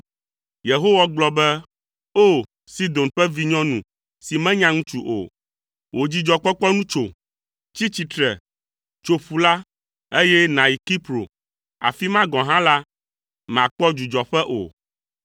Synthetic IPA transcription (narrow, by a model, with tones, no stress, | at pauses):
je˨ɦo˦wa˦ɡ͡blɔ˦bɛ˦ | o˦ | si˦d̪o˨nɸɛ˦vi˦ɲɔ̃˦nũ˨ | si˨mɛ̃˦ɲã˦ŋũ˦t͡ʃu˦ʔo̰˨ | wʔo˨d͡ʑi˦d͡ʒɔ˨k͡pɔ˦k͡pɔ˦nũ˦t͡ʃo˨ | t͡ɕi˦t͡ɕi˨t̪ɾɛ˨ | t͡ʃo˨ɸu˨la˦ | e˦jɛ˦nã˨i˨ki˦pɾo̰˨ | a̰˨fi˦mã˦ɡɔ̃˨ɦã˦la˦ | m˨ã˨k͡pɔ˦d͡ʒu˨d͡ʒɔ˨ɸɛ˦ʔo̰˨